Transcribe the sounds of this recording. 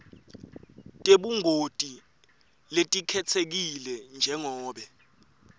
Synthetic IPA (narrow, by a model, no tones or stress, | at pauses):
tʼeɓuŋʱotʼi | letʼikʰɛt͡sʰek̬ilɛnd͡ʒʱɛŋɔːɓɛ